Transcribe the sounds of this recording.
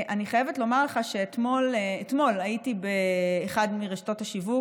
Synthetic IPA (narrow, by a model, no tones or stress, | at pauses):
ʔaniχajevetlo̞maʁleχaʃeet̪mo̞letmo̞lajitibeːχadmiʁeʃto̞thaʃivu